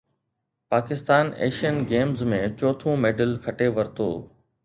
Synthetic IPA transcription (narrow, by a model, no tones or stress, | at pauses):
paːkɪst̪aːnḛːʃiənɡeːmzmẽt͡ɕɔːt̪ʰõmeːɖəlkʰɐʈeʋɐɾt̪o̰ː